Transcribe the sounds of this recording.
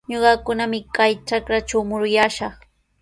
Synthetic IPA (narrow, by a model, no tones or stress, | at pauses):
ɲoɢɑkʊnamɪkajt͡ʃakɾat͡ʃawmʊɾʊjaʃɑχ